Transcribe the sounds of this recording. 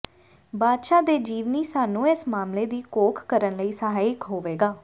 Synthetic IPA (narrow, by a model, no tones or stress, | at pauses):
baːd̪ʃaːd̪eːd͡ʒiːʋniːsaːnũːɪsmaːmleːd̪iːkoːkʰkəɾənləiːsəɦaːijkɦoːʋeːɡaː